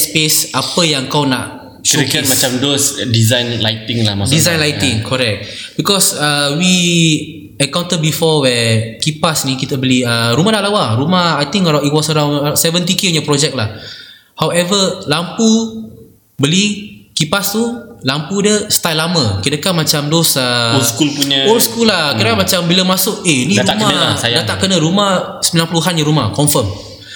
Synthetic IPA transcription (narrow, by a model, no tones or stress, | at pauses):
spesapəjãŋkawna̰ʔ | ʃuiktmat͡ʃamdosdizajnla̰jt̪ĩŋla̰madizãjnlajt̪ɪ̃ŋkʰɔɾɛk̚t̚bikɔsəwi | əkaw̃nt̪əbifɔwɛkipasnĩkit̪əbəliəɾumãhdaʔlawaɾumaajt̪ĩŋkaɾait̚wɔsəɾãw̃nasɛvə̃nt̪̬ikenəpɾɔd͡ʒɛk̚lah | hawɛvəlampu | bəlikipast̪ulampudəst̪ajlːamə̃kidəkanmat͡ʃamdosəskulpuɲəolskulːahkidakamat͡ʃambiləmasʊʔenĩɾuamaajdat̪aʔkənəɾumahsəmilanpluɦanjəɾuma̰hkɔɱfəm